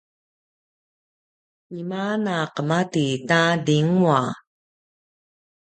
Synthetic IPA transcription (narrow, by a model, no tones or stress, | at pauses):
imanaqəmatitadiŋua